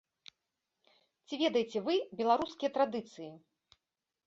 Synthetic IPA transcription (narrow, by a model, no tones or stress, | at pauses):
t͡sʲivʲɛd̪ɐjet͡sʲɛvɨbʲɛlˠaɾuskʲijɐt̪ɾad̪ɨt̪sɨji